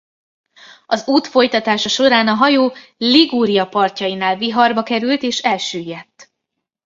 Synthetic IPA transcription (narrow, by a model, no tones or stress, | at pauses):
ɒzuːt̪fo̞jt̪ɒt̪aːʃɒʃo̞ɾaːnɒɦɒjoːliɡuːɾijɒpɒrcɒjinaːlviɦɒrbɒkɛɾylt̪eːʃɛlʃyːjːɛt̪ː